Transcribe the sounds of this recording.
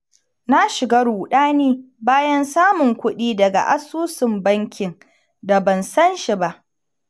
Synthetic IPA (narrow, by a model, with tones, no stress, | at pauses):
na˦ʃɪ˨ɡa˦ɾuː˨ɗaː˦neː˦ | baː˦jɐ˦nsaː˦mʊ˨ŋkʷʊ˦ɗiː˦dɐ˨ɡa̰˨ʔa˦suː˦sɪ˨mbɐ˦ŋkʲɪ˨n | da˨bɐ˨nsɐ˦nʃi˨ba˦ʔ